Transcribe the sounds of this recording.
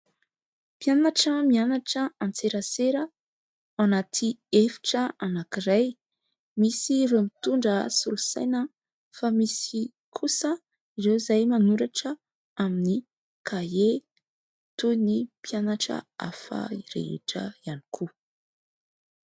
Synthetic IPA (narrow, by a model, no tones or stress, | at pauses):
pjanaʈ͡ʂəmianaʈ͡ʂəant͡seɾaseɾə | anat̪ʰiefi̥ʈ͡ʂəanakiraj | misiromit̪uɳɖ͡ʐəsulusa̰jnə | famisi | kʰusə | irewzajmanuɾaʈ͡ʂə | amini | kʰae | t̪unipjanaʈ͡ʂə̰a̰fa̰iɾḛḛʈ͡ʂə̰ianikʰu